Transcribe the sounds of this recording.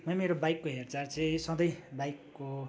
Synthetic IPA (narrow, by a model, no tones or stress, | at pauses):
mʌjmeɾobajkːoɦert͡sart͡sisʌ̃d̪ʌjbajkːo